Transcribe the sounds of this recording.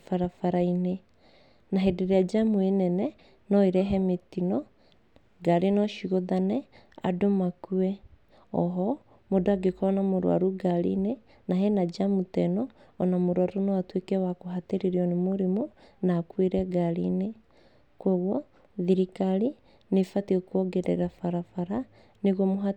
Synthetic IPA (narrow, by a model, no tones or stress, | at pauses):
faɾafaɾaine | naɦedeɾead͡ʒamuenɛnɛ | nɔeɾɛɦɛmetinɔ | ɡaɾenɔʃiɣoðanɛ | a̰domakuɛ | ɔ̰ɦɔ | modoaɡekɔnamoɾw̰a̰ɾuɡaɾḭne | naɦenad͡ʒamutɛnɔːnamoɾwaɾonɔatwekɛwakoɦateɾeɾiɔnemoɾemonakweɾɛɡaɾine | koɣwɔ | ðiɾikaɾi | nefatiokwɔɡeɾɛ̰ɾafaɾafaɾa | neɣɔmoɦa